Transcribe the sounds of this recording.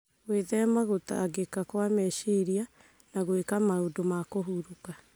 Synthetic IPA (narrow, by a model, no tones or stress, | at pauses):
weðɛmaɣota̰ɣekakwamɛʃiɾia | naɣwekamaodomakoɦuɾuka